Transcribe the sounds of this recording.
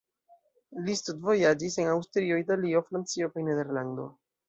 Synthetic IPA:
list̪udvo̞jad͡ʒise̞nawstɾio̞italio̞fɾant͡sio̞kajnede̞ɾland̪o̞̰

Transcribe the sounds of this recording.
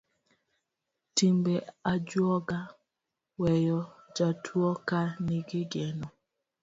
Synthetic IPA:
timbɛad͡ʒwɔɡa | wɛjɔd͡ʒatʰwɔkaniɡɪɡɛnɔ

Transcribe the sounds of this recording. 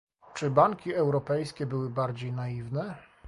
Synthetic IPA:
t͡ʂɘbaŋkʲiɛwɾɔpɛjskʲɛbɘwɘbaɾd͡ʑejnaivnɛ

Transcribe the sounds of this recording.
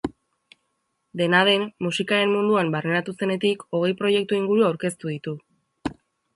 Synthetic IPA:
d̪e̞naðe̞mːusikaɾe̞mmund̪uambarenat̪use̞ne̞t̪iko̞ɣ̞e̞jpɾo̞je̞k̚t̪uiŋɡuɾuawɾke̞st̪uðit̪u

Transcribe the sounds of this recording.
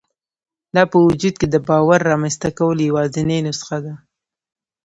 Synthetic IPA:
d̪ɑpəwʊd͡ʒud̪̚ked̪əbɑwaɾːɑmanst̪akawəljawɑzɪnenʊsə̥xad̪a

